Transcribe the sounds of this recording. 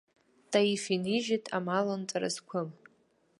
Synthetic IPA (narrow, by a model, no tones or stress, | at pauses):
tʼaifiniʒitʼʰamalant͡sʼaɾa̰skʷʰʊm